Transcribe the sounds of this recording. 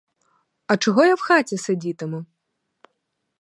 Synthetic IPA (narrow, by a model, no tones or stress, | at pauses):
ɐt͡ʂɐɣɔjawxat͡sʲɛsɐd͡zʲit̪ɨmɨ